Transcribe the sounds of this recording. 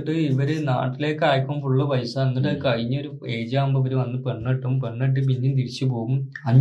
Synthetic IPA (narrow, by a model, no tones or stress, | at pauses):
ʈːɨiʋɐɾena̰ːʈːile̞ːkːaːjɐkːumfuɭːɐpɐjsɐɐnːiʈːɨkɐɻiɲːɐo̞ɾueːd͡ʑaːmbɐʋɐɾuʋɐnːɨpeɳːeʈːumpeɳːeʈ̬ːɨp̬inːumt̪iɽit͡ɕːɨpo̞ːɣumɐɲː